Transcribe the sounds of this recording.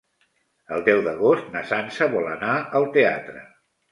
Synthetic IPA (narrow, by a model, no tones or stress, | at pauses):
əlˠd̪ɛwðəɣost̪nəsansəβɔlənaəlˠt̪ea̰t̪ɾə